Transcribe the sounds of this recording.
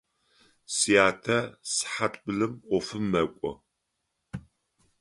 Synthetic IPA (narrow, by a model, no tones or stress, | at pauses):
sijaːtʰɐsħatʼbɨɮɨmʷɔfɨmːɐkʷʼɔ̰